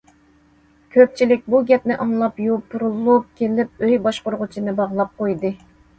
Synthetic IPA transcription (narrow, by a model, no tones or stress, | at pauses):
kʲʰøp̚t͡ʃʰilɪk̚ʲbuɡʲɛp̚nɪʔɑŋlˠɑpjupʰːuɾulˠup̚kʲʰelɪp̚øjbɑʃqʊɾʁʊt͡ʃʰinɨbɑʁlˠɑp̚qojd̪ɨ